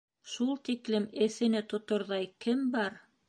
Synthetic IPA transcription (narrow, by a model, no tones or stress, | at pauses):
ʃulˠt̪iklɘmɘ̆θɘ̆nɘt̪ŏt̪ŏɾðɑjkɘmbɑɾ